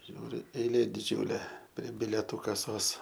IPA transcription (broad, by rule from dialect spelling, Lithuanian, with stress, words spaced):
ˈʒʲuːrʲʊ ɛɪˈlʲeː dʲɪˈd͡ʒʲuːlʲeː pʲrʲiɛ bʲɪlʲɛˈtuː kɐˈsoːs